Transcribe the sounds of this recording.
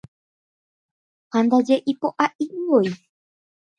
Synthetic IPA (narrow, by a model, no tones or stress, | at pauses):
hand̪ad͡ʒeʔipoʔaʔiwoi